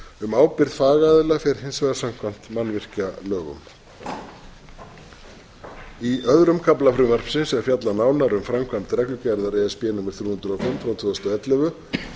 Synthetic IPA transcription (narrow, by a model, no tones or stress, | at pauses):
ʏmaːwpɪɾðfaːɣaðɪlafɛɾ̥hɪnsvɛðasam̥kʰvan̥t̪manvɪr̥calœːɣʏ̰m | iʔœðɾʏmkʰaplafɾʏvɛr̥psɪnsɛɾ̥fjat̪lanaːwnaɾʏmfɾamkʰvam̥t̪ɾɛklʏcɛɾðaɾɛɛspjɛːnumɪɾ̥θjuːʏnt̪ɾawfʏmt̪fɾawt̪ʰv̥ɛːðʏst̪ɔɛt̪lɛvʏ